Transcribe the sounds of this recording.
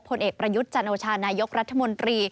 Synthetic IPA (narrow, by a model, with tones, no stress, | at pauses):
pʰo˧nʔeː˨˩k̚pɾa˧ju˦˥t̪̚t͡ɕa˧nʔoː˧t͡ɕʰaː˧naː˧jo˦˥k̚ɾa˦˥t̪ʰːa˧mo˧nt̪ɾiː˧